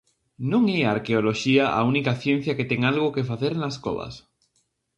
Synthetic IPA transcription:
nõŋɛaɾkeoloʃiaʔa̰unikaθjẽn̟θjaket̪eŋalɣokefaθeɾnasko̰βa̰s

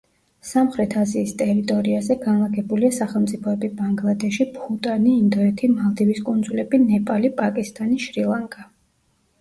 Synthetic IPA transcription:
samχɾɛt̪ʰaziːst̪ʼɛɾit̪ʼɔɾiazɛɡanlˠaɡɛbuliasaχɛlˠmt̪sʼipʰɔɛbibaŋɡlˠad̪ɛʃipʰut̪ʼaniːnd̪ɔɛt̪ʰimalˠd̪iviskʼund̪zulɛbinɛpʼalipʼakʼist̪ʼaniʃɾilˠaŋkʼa

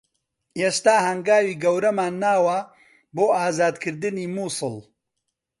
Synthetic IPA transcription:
eːst̪aːhɐŋɡaːwiːɡɐwɾɐmaːnːaːwɐ | boːʔaːzaːd̪kʰɨɾd̪ɨniːmuːsɨl

